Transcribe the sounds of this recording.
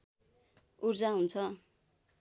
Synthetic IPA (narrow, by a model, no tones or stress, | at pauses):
urd͡zaɦunt͡sʰʌ